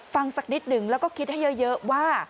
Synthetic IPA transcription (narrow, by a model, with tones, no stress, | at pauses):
fa˨˧˩ŋsa˨˩k̚ni˦˥t̚ɗɨ˨˦ŋlaː˨˩kɔ˨˦ki˧˦ɗaː˨˦jzəː˧˦zəː˨˦waː˧